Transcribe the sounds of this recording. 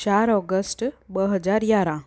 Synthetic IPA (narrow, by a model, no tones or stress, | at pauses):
t͡ʃaɾɔɡəsʈbəɦəd͡ʒaɾjaɾã